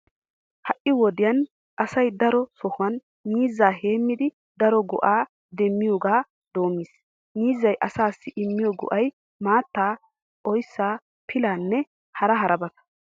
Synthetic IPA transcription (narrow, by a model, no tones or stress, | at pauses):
hɐʔɪwɔd̪ɪjɐn | ʔɐsɐjd̪ɐɾɔsɔhʊɐn | niːzːaːɦe̞ːmːɪd̪ɪ | d̪ɐɾɔɡɔ̰ʔaː | d̪ɛmːɪjoːɡaː | d̪o̞ːmːɪːs | niːzːɐjʔɐsaːsːɪʔɪmːɪjɔɡɔ̰ʔɐj | maːt̪ːaː | ʔɔjsːaː | pʰɪlaːnːɛ | hɐɾɐɦɐɾɐbɐt̪ɐ̥